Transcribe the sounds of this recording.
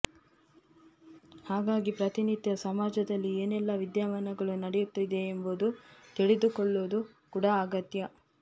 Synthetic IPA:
haːɡaːɡipɾɐt̪inid̪jɐsɐmaːd͡ʒɐd̪ɐlːieːnɛlːɐʋid̪jaːʋɐnɐɡɐɭunɐɽɛjut̪ːid̪e̞ːmbud̪ut̪iɭed̪ukɔɭːoːd̪u | kuɽɐːɡɐt̪jɐ

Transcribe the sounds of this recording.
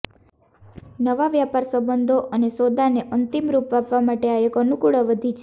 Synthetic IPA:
nəʋaʋjapaɾsəbənd̪ʱoʔənesod̪aneʔənt̪imɾupʋapʋamaʈeaekənukuɭəʋəd̪ʱit͡ʃʰ

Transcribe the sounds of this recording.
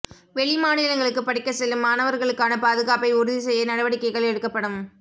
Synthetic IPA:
ʋɛɭɪmaːnɪlɐŋɡɐɭɯkːɯpɐɽɪkːɐsɛlːɯmːaːnɐʋɐɾɣɐɭɯkːaːnɐpaːðɯɣaːpɐɪʊɾɯðisɛjːɐnɐɽɐʋɐɽɪkːɐɪɣɐɭɛɽɯkːɐpːɐɽɯm

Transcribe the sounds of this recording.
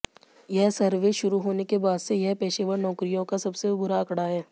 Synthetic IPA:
jɛɦsɐɾʋeʃʊɾuɦoːnekebaːd̪sejɛɦpɛːʃeʋəɾnɔːkɾijõkasɐbsebʊɾaɐkɽaɦɛː

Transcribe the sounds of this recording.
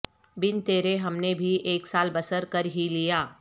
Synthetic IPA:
bɪnt̪eːɾeɦɐmnebʱiʔeːksaːlbɐsəɾkɐɾɦilijaː

